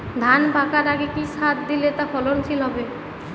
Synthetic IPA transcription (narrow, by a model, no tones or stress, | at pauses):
d̪ʱanbʱakaɾaɡekisat̪̚d̪ilet̪afʰɔlont͡ɕʰilɦɔbe